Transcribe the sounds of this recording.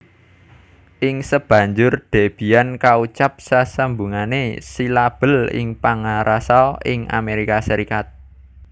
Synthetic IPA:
ʔɪŋsəb̥a̤ɲd͡ʒʊrɖ̪̥e̤b̥i̤jankaut͡ʃap̚sasəmbuŋanesilab̥ə̤lɪ̰ŋpaŋaɾʔasɔɪŋa̰meɾikasəɾikat̪̚

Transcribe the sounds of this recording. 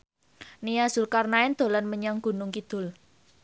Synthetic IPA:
nijaz̥ʊ̤lkarnaɛnd̪̥o̤lanməɲaŋɡ̥ṳnʊŋkid̪̥ʊ̤l

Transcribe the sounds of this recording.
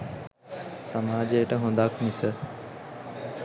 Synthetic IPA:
samaːd͡ʒejəʈəɦund̪akmisə

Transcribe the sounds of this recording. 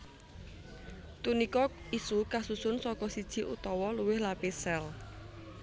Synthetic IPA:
t̪unikɔisukasusʊnsɔkɔsid̥ʒ̥i̤ʔṵt̪ɔwɔluwɪhlapesɛl

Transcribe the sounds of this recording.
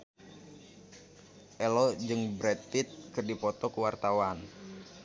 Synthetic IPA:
ʔɛlɔd͡ʒɨŋbɾɛt̪it̪̚kɨrdipɔt̪ɔkuwart̪awan

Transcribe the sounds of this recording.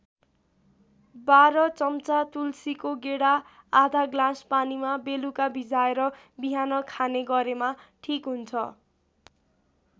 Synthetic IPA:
baɾʌt͡sʌmt͡sat̪ulsikoɡeɽaː | d̪ʱaɡlãspanimabelukabʱid͡zaeɾʌ | biɦanʌkʰaneɡʌɾemaʈʰikɦunt͡sʰʌ

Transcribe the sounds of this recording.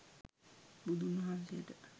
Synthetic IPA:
bud̪ʱumɐɦãnsijəʈə

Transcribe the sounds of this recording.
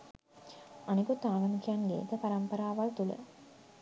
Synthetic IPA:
aniɡot̪aːɡɐnukijaŋlḛːt̪əpaɾampəɾaːʋalt̪ulə̰

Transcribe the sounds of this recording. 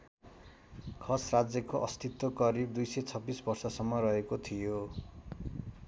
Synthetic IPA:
kʰʌsrad͡zjʌkoʔʌst̪it̪wokʌɾib̚d̪ujset͡sʰʌbːisbʌrsʌsʌmːʌrʌɦekot̪ʰijo

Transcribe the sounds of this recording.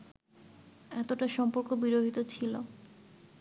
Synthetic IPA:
ɛt̪oʈaʃɔmpoɾkobiɾoɦit̪ot͡ɕʰilo

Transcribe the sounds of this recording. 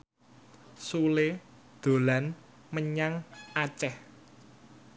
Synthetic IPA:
sule | d̪̥o̤lan | məɲaŋʔat͡ʃɛh

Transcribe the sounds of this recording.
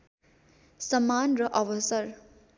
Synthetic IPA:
sʌmːanrʌʔʌwʌsʌɾ

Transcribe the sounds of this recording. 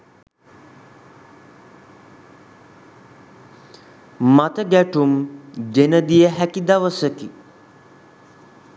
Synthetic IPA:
mat̪əɡæʈumd͡ʒenəd̪ijəɦækid̪aʋəsəki

